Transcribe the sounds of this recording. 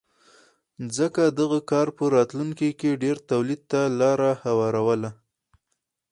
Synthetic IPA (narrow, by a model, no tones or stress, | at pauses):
zəkad̪əɣakɑɾpəɾɑt̪luŋkikeɖeɾt̪awlid̪̚t̪alɑɾahawɑɾawəla